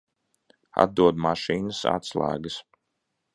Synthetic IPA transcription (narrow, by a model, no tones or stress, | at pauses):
a̰d̪̚d̪uɔd̪maʃiːnɐsa̰t̪slˠæ̰ːɡəs